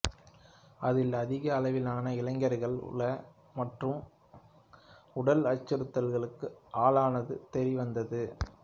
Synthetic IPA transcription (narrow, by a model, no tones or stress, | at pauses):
ɐðɪlɐðɪɣɐːlɐʋɪlaːnɐɪlɐŋɡɐɾɣɐɭ̰ɭɐ | mɐʈrɯm | ʊɽɐlɐt͡ʃːɯɾɯt̪ːɐlɣɐɭɯkːɯʔaːlaːnɐðɯt̪ɛɾiʋɐnd̪ɐðɯ